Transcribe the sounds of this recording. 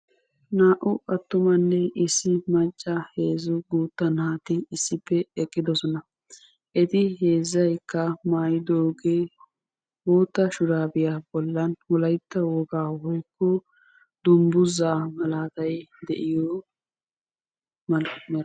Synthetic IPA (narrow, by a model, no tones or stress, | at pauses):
naːʔʊʔɐt̪ːʊmɐnːɛʔɪsːɪmɐt͡ʃʼːɐheːzʊɡuːt̪ːɐnhaːt̪ɪɪsːɪpːɛɛkʼːɪd̪ɔsɔnɐ | ʔɛt̪ɪɦe̞ːzːɐjkːɐmaːjɪd̪oːɡeː | boːt̪ːɐʃʊɾaːbɪjabɔlːɐnwɔlɐjt̪ːɐwɔɡaːhɔjkːɔ | d̪̥ʊmbʊzaːmɐlaːt̪ɐjd̪ɛ̰ʔɪjɔ | mɐ